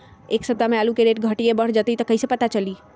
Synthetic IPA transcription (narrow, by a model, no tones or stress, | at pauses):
eːksəb̚t̪amẽaːlukeɾeːʈɡʱəʈiebəɽ̤d͡ʒət̪it̪ɔkəisepət̪at͡ʃəliː